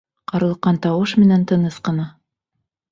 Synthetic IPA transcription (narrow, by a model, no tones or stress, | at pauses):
qɑɾɤ̆lˠɤqːɑnt̪ɑwɤʃmɘ̆nænt̪ɤ̆nɤsqɤ̆nɑ